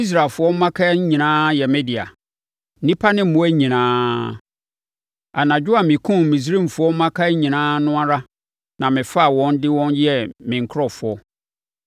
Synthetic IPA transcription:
i˦s̬ɾa˨lfʊ˨˦ɔ˦m̩˦mã˦kʰa˦ɲĩ˨nãː˦jɛ˨mɛ̃˦di˨a̰˨ | n̩˦nĩ˦pʰa˦nɪ̃˦m̩˨mʊ̃˦æ˦ɲĩ˨nãː˦ | a˨nã˨d͡ʑᶣʊ˦a˨mɪ̃˨kʰũ˦mĩ˨s̬ɾĩ˦m˨fʊ˨ɔ˦m̩˦mã˦kʰa˦ɲĩ˨nãː˦nʊ̃˦a˦ɾa˦ | nã˨mɪ̃˨fa˦˨wɔ̃˦n˦dɪ˦wɔ̃˦njɛ˦mɪ̃˨ŋ̩˨kʰɾɔ˨fʊ˨ɔ˦

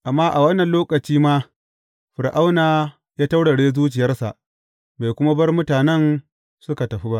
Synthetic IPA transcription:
ʔa˨mːaː˦ʔa˨wɐ˦nːɐ˨nloː˦kɐ˨t͡ʃiː˦maː˦ | ɸɪ˨ɾʔa˦wnaː˨ | jaː˦ta˦wɽɐ˨ɽeː˦zuː˦t͡ʃɪ˨jɐ˦rsa̰˨ʔ | ba˨kʷʊ˦ma˦bɐ˦rmʊ˦taː˨nɛ˦n | sʊ˦ka˨tɐ˨ɸi˦ba˦ʔ

